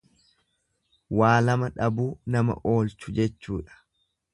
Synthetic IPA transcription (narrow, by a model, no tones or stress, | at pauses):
waːlɐmɐᶑɐbuːnɐmɐ̰ʔo̞ːlt͡ʃʊd͡ʒɛt͡ʃːuːᶑɐ̥